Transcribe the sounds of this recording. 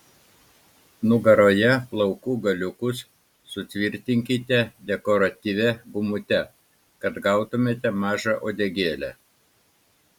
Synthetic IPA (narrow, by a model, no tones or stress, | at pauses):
nʊɡɐɾoːjɛplˠɐʊkuːɡɐlʲʊkʊsː | ʊt̪ʲʋʲɪɾʲt̪ʲɪŋʲkʲɪt̪ʲɛd̪ʲɛkɔɾɐt̪ʲiʋʲɛbʊmʊt̪ʲɛ | kɐt̪ɡɑˑʊt̪ʊmʲeːt̪ʲɛmɑːʒɑʔoːd̪ʲɛɡʲeːlʲæ̰